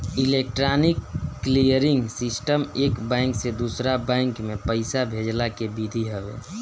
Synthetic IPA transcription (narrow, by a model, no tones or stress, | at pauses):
ilek̚ʈɾanikːlijəɾĩŋɡsisʈəmekbɛ̃ŋksed̪usɾabɛ̃ɪŋkmẽpəɪsabʱed͡ʒlakebid̪ʱiɦɛbḛ